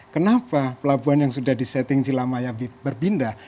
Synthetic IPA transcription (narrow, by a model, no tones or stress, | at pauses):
kənapapəlabuanjaŋsudahdisɛt̪ɪŋsilamajabibərbinda